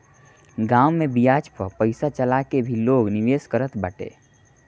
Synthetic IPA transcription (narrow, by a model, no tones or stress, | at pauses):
ɡaʊmebijad͡ʒpəpəɪsat͡ʃəlakebʱiloɡniʋeskəɾət̪bəʈḛ